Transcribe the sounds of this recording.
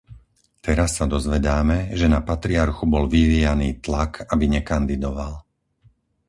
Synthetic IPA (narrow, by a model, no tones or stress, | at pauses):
t̪ɛɾasːad̪ɔzʋɛd̪aːmɛʒɛnapat̪ɾiaɾxubɔlʋiʋiːjaniːt̪lakʰabiɲɛkand̪id̪ɔʋal